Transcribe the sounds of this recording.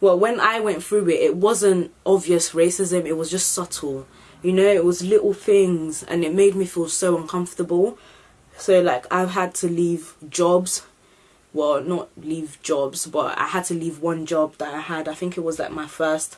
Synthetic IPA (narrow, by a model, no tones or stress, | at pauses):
wɛlˠwə̃naɪwɛ̃nθɹʉɪtɪt̚wʌzə̃ntʔɑbviɨsɹeɪsɪzɨ̃mɨt̚wʌzd͡ʒʌstsʌtʰl̩ˠ | jɨnoʊɪt̚wʌzlɪʔl̩ˠθɪ̃ŋzɨ̰̃nɨt̚meɪd̚mifilˠsoʊʌ̃nkʰʌ̃ɱftə˞bəl̩ˠ | soʊlaɪka̰ɪv̥əd̚tʰɨlivd͡ʒɒbz̥ | wɛlˠnət̚livd͡ʒɔbz̥bʌ̰ta̰ɪəd̚tʰɨlivwʌ̃nd͡ʒɒb̚ðəɾaɪəɾaɪθɪ̃ŋkɨt̚wʌzlaɪk̚maɪfɜ˞st